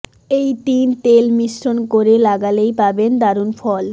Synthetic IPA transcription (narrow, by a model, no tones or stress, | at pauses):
ejt̪int̪elmiʃɾonkoɾelaɡalejpabend̪aɾunfɔl